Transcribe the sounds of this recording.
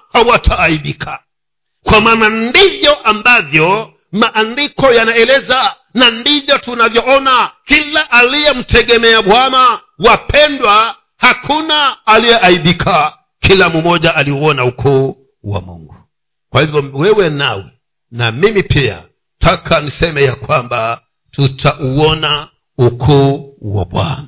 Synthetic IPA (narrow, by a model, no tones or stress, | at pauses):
hawatʰaːiɗikʰa | kwamaːnandivjɔʔambavjɔ | maʔandikɔjanaɛlɛza | nandivjɔtunavjɔɔnakilaʔalijɛm̩tɛɠɛmɛaɓwama | wapʰɛndwa | hakʰunaːlijɛʔaiɓikʰa | kʰilamumɔʄaaliuɔnaukʰɔː | wa̰mṵŋɡu | kwahivjɔwɛwɛnawɛ | na̰mimipia̰ | tʰakʰanisɛmɛjakwamba | tutʰaʔuɔna | ukʰɔːwa̰ɓwa̰na